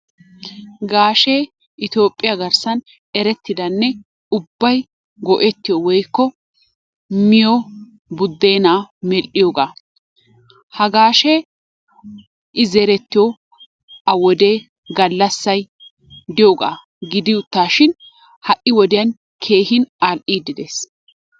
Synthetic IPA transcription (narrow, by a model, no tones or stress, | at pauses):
ɡaːʃe | ʔɪt̪o̞ːpʼːɪjɐɡɐɾsɐn | ɛɾɛt̪ːɪd̪ɐnːɛ | ʊbːɐj | ɡɔʔɛt̪ːɪjɔwɔjkːɔ | mɪjo | bʊd̪ːe̞ːnaːmɛlʔɪjoːɡaː | hɐɡaːʃɛ | ʔɪzɛɾɛt̪ːɪjo | ɐwɔd̪e̞ː | ɡɐlːɐsːɐj | d̪ɪjoːɡa̰ː | ɡɪd̪ɪʊt̪ːaːʃɪn | hɐʔɪwɔd̪ɪjɐn | kʰe̞ːhɪnalʔiːd̪ɪd̪eːs